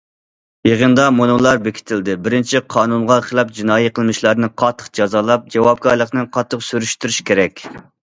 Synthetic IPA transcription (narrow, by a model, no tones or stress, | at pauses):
jeʁənd̪ɑmonulˠɑɾbekʲʰi̥t̪ʰɪld̪ɪbɪɾɪnt͡ʃʰiqʰɑːnunʁɑqʰəlˠɑp̚d͡ʒinɑːjiqʰəlˠmɪʃlæɾnɪqʰɑt̪ʰːə̥qd͡ʒɑzɑlˠɑp̚d͡ʒɑwɑp̚ɡɑɾlˠəqnɨqʰɑt̪ʰːəqsyɾyʃt̪yɾyʃkʲʰeɾɛkʲ